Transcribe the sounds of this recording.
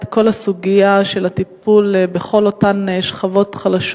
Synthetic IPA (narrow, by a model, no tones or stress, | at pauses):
t̪ko̞lasuɡijaʃe̞latipulbeχo̞lotaneʃχavo̞tχalaʃ